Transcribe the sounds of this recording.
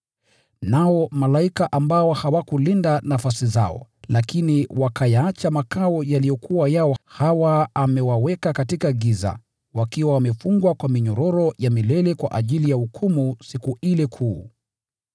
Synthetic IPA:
naɔmalaikaʔambaɔhawakulindanafasiza̰ɔ̰lakiniwakajaat͡ʃamakaɔjalijɔkuwajaɔhawaːmɛwawɛkakatikaɡiza̰ | wakiwawamɛfuŋɡwakwamiɲɔɾɔɾɔjamilɛlɛkwa̰ʔaʄilijaukʰumusikuʔilɛkʰuː

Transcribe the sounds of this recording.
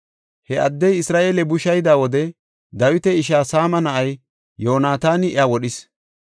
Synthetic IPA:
hɛɐd̪ːɛjɪsɾaːʔeːlɛbʊʃɐjd̪aːwɔd̪ɛ | d̪ɐwɪt̪ɛɪʃaːsaːmɐnɐʔɐj | jːo̞ːnaːt̪aːnɪɪ̰aːwɔɗɪs

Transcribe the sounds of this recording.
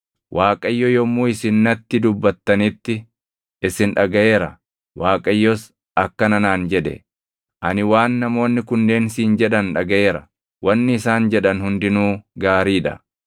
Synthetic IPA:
wʔaːkʼɐjːɔjɔmːuːɪsɪnːɐt̪ːɪd̪ʊbːɐt̪ːɐnɪt̪ːɪ | ʔɪsɪnᶑɐɡɐʔe̞ːɾɐ | waːkʼɐjːɔs | ɐkːɐnɐnaːnd͡ʒɛᶑɛ̰ | ʔɐnɪwaːnːɐmo̞ːnːɪkʊnd̪e̞ːnsiːnd͡ʒɛᶑɐnᶑɐɡɐʔe̞ːɾɐ | wɐnːɪɪsaːnd͡ʒɛᶑɐnhʊnd̪ɪnuːɡaːɾiːᶑɐ̰

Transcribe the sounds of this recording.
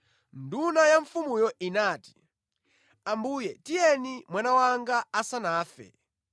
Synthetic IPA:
ndunajaɱfumujɔinaːti̥ | ambuːjɛtijɛnimwanawaŋɡaːsanaːfɛ̰

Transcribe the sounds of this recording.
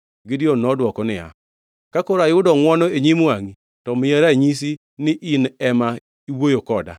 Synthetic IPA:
ɡidionːɔdwɔkɔnɪa̰ | kakɔɾajʊdɔŋwɔnɔeɲimaŋi | tɔmɪjɛɾaɲis̬i | nɪʔinɛma | iwojokɔda̰

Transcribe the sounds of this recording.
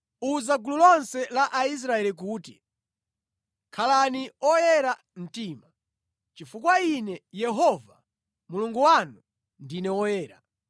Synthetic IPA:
uzaɡululɔnsɛlaʔais̬ɾaɛlik̬uːti | kʰalaniɔjɛɾa | m̩tiːma | t͡ʃifukwainɛjɛɦɔva | muluŋɡuwanu | ndinɛwɔjɛːɾa̰

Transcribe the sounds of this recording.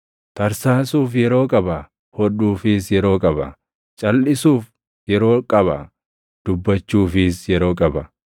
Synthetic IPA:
t̪ɐɾsaːsuːfjɛɾo̞ːkʼɐbɐ | hɔᶑuːfɪsjɛɾo̞ːkʼɐbɐ | t͡ʃʼɐlʔɪsuːf | jɛɾo̞ːkʼɐβɐ | d̪̥ʊbːɐt͡ʃːuːfɪsjɛɾo̞ːkʼɐbɐ

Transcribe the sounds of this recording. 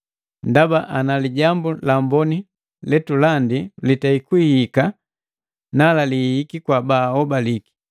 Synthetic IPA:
ndabaʔanaliɟambulambɔni | lɛtulandilitaikwihika | nalalihikikwabaːɔbaliki̥

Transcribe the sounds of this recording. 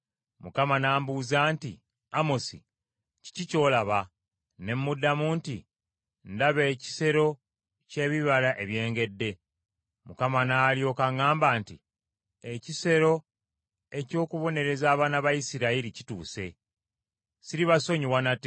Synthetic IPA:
mukamanaːmbuzaːnti | amo̞sḭ | ci̥cico̞ːlaβa | ne̞mːudːamuːntḭ | ndaβe̞ːci̥se̞ɾo̞ | ce̞βiβalaʔe̞βje̞ːŋɡe̞dːe̞ | mukamanaːljo̞ːkaŋaːmbaːntḭ | ecise̞ɾo̞ | e̞co̞ːkuβo̞ne̞ɾe̞zaːβaːnaβajisiɾaiɾicituːse̞ | siɾiβaso̞ɲiwanate

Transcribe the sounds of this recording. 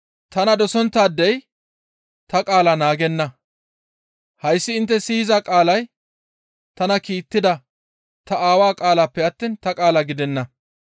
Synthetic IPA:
t̪ɐnɐd̪ɔsɔnt̪ːaːd̪ːɛj | t̪ɐkʼaːlɐnaːɡɛnːɐ | hɐjsːɪɪnt̪ːɛsɪjɪzakʼaːlɐj | t̪ɐnɐkiːt̪ːɪd̪ɐ | t̪ɐaːwaːkʼaːlaːpːɛɐt̪ːiːnt̪ɐkʼaːlɐɡɪd̪ɛnːɐ

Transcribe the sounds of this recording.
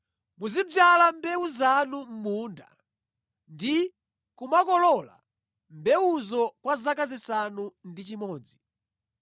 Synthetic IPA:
muzib͡ʐalambɛuzanum̩muːnda̰ | ndi | kumakɔlɔla̰ | mbɛuzɔkwazakazisanundit͡ʃimɔːd͡zi

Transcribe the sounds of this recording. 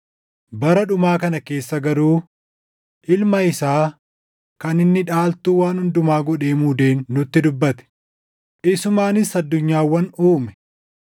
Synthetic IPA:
bɐɾɐᶑʊmaːkɐnɐke̞ːsːɐɡɐɾuː | ʔɪlmɐɪsaː | kɐnɪnːɪᶑaːlt̪uːwaːnhʊnd̪ʊmaːɡɔᶑe̞ːmuːd̪e̞ːnːʊt̪ːɪd̪ʊbːɐt̪ɛ̥ | ʔɪsʊmaːnɪsɐd̪ːʊɲːaːwːɐnuːmɛ̥

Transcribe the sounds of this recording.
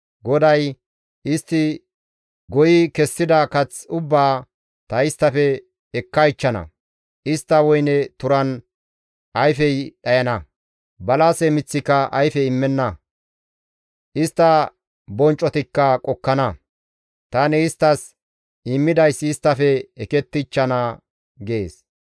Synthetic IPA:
ɡɔd̪ɐj | ɪst̪ːɪ | ɡɔjɪkɛsːɪd̪ɐkɐt͡sʊbːaː | t̪ɐɪst̪ːɐfɛː | kːɐɪt͡ʃːɐnɐ̰ | ʔɪst̪ːɐwɔjnɛt̪ʊɾɐn | ʔɐjfɛjɗɐjɐnɐ | bɐlasɛmɪt͡sːɪkːɐʔɐjfɛɪmːɛnːɐ | ʔɪst̪ːɐ | bɔnt͡ʃʼːɔt̪ɪkːɐkʼɔkːɐnɐ | t̪aːnɪɪst̪ːɐs | ɪmːɪd̪ɐjsːɪst̪ːɐfɛɛkɛt̪ːɪt͡ʃːɐnɐ | ɡeːs

